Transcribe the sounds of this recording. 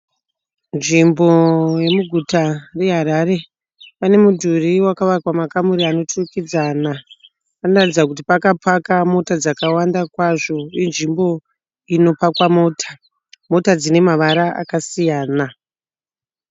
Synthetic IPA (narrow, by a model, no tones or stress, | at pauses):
nʐimboje̞muɡʱutare̞ɦaɾaɾe̞ | pane̞mudʱuriwakaʋakwamakamuɾiano̞turukid͡zana | panoratid͡zak̬ut̬ipakapakamo̞tad͡zakawandakwaʐo̞inʐimbo̞ | ino̞pakwamo̞ːtʰḁ | mo̞tad͡zine̞maʋaɾaa̰kasijaːna